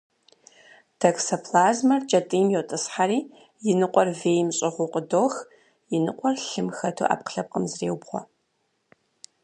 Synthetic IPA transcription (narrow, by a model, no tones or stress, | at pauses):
tʰɐksɐpʰlaːzmɐrt͡ʃʼɐtʼɨjmjɛwtʼɨsħaɾiː | jɪnɨqʷʼɔrveːjmɕʼɪʁʷʊqʼədoːx | jɪnɨqʷʼɔrɬɨmxɐtʰṵːʔa̰ːp̚qə̥ɬɐp̚qəmzreːwbχʷɔ̰